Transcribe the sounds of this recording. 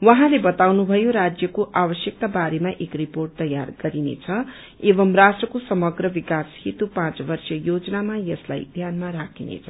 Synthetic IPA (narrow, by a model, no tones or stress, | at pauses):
wʌɦãlebʌt̪awnubʱʌjoɾad͡zjʌkoʔabʌsjʌk̚t̪abaɾemaʔekriporʈ̚t̪ʌja̰rɡʌɾinḛt͡sʰʌ | ebʌmrasʈrʌkosʌmʌɡrʌbikashit̪upãt͡sbʌrsʌjod͡zʌnamajʌsla̰jd̪ʱjanmaɾakʰinḛt͡sʰʌ